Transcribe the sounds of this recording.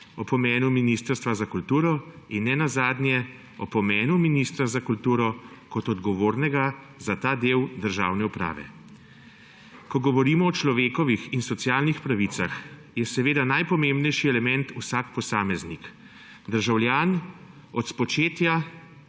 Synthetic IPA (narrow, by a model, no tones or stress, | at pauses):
ɔpɔmɛːnuminiːst̪əɾst̪ʋazakult̪uːɾɔ | inːɛnazaːd̪njɛ | ɔpɔmɛːnuminiːst̪ɾazakult̪uːɾɔkɔt̪ɔd̪ɡɔʋoːɾnɛɡa | zat̪aːd̪eːwd̪əɾʒa̰ːwnɛupɾa̰ːʋɛ̰ | kɔɡɔʋɔɾiːmɔːt͡ʃlɔʋeːkɔʋixinsɔt̪sjaːlnixpɾaʋiːt̪sax | jɛsɛʋeːd̪anajpɔmembnɛjʃiɛlɛmɛnt̪usakpɔsaːmɛznik | d̪əɾʒawljaːn | ɔt̪spɔt͡ʃeːt̪ja